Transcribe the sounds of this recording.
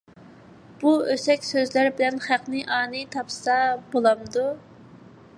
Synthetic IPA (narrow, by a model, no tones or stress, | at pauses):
b̥uøsɛkʲsøzlæɾbɪlɛnχæqnɨʔɑːnɨt̪ʰɑpsɑbolˠɑmd̪u